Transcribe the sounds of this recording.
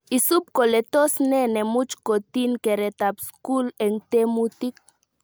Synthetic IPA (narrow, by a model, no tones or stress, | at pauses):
isup̚kolet̪osnenemut͡ʃkot̪inkeɾet̪apskuleŋt̪emut̪ik̚